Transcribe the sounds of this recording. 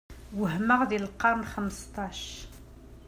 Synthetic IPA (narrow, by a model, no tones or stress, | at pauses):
wəhməʁðilqːɑɾˤnxəmst̪ˤɑʃ